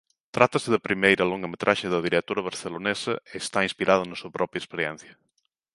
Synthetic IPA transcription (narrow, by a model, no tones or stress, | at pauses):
t̪ɾat̪ɐsɪðɐpɾimejɾɐloŋɡɐmet̪ɾʔaʃɪðɐðiɾet̪oɾɐβ̞ɐɾθelonesɐeːst̪aĩnspiɾað̞ʊnɐsuɐpɾɔpɾjɐespeɾjɛ̰n̟θjɐ